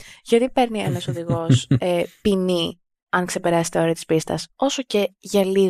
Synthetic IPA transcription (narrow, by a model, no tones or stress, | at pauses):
ʝɐt̪ipe̞ɾnienɐso̞ðiɣo̞sepini | ɐŋkse̞pe̞ɾɐse̥t̪eo̞ɾeɐt̪i̥spist̪ɐso̞so̞ce̞ʝɐli